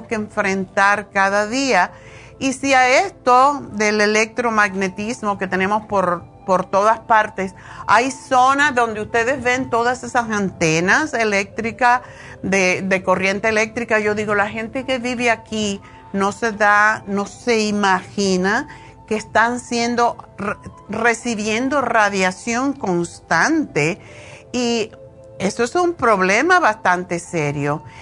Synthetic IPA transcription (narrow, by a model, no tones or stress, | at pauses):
skeeːɱfɾe̞nt̪aɾkaðaðia | isiaest̪o̞ðe̞le̞le̞k̚t̪ɾo̞maɡne̞t̪izmo̞ke̞t̪e̞ne̞mo̞spoɾ | po̞ɾt̪o̞ðaspaɾt̪e̞s | a̰jso̞nazðo̞nd̪eust̪e̞ðe̞zβe̞nt̪oðase̞sasant̪e̞nase̞le̞k̚t̪ɾika | ðeðe̞ko̞rje̞nt̪eːle̞k̚t̪ɾikaʝo̞ðiɣo̞laxe̞nt̪e̞ke̞βiβeaki | no̞se̞ðano̞se̞imaxina | keːst̪ansje̞nd̪o̞ | re̞siβje̞nd̪o̞raðjasjo̞ŋko̞nst̪ant̪e̞ | i | e̞soesumpɾo̞βle̞maβast̪ant̪e̞se̞ɾjo